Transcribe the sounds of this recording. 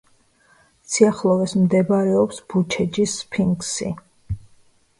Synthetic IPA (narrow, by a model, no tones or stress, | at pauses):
sʰiaχlˠɔvɛsmd̪ɛbaɾɛɔpsb̥ut͡ʃʰɛd͡ʒispʰiŋɡsḭ